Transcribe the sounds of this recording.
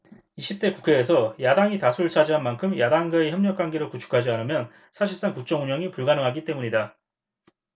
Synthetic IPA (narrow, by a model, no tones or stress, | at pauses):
iɕʰip̚t͈e̞kukʰe̞ːsʰʌjadaŋitasʰuɯɭt͡ɕʰad͡ʑiɦanmankʰɯmjadaŋɡaeçjʌmɲʌk͈wanɡeɾɯɭkut͡ɕʰu̥kʰad͡ʑianɯmjʌn | sʰaɕʰiɭs͈aŋkuk̚t͡ɕ͈ʌŋuɲʌŋipuɭɡanɯŋɦaɡit͈e̞muɲida